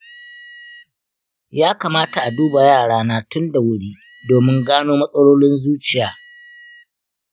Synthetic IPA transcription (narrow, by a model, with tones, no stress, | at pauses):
jaː˦kaː˨maː˦ta˨ʔa˨duː˦ba˨jaː˦˨ɽaː˦naː˦tʊ˦nda˨wʊ˦ɽiː˦ | doː˨mɪ˦ŋɡaː˦noː˦mɐ˦sʼɐ˦ɽoː˦lɪ˦nzuː˦t͡ʃɪ˨jaː˨